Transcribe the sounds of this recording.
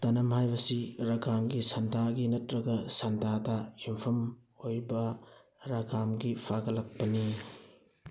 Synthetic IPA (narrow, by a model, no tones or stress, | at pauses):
tɐnɐmhajbɐsiɾɐɡamɡisɐndʱaɡinɐtɾɐɡɐsɐndadɐjumpʰɐm | ojbɐ | ɾɐɡamɡipʰaɡɐlɐk̚pɐni